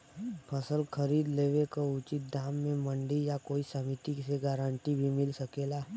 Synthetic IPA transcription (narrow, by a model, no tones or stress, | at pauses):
pʰəsəlkʰəɾiːd̪leːʋekaʊt͡ʃɪt̪̚d̪aːmːẽmə̃ɳɖijakoːisəmit̪ikseɡaːɾə̃ɳʈibʱimɪlsəkelaː